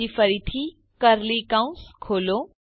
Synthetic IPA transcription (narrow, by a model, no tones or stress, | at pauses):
ifəɾit̪ʰi | kəɾlikãũskʰoːlo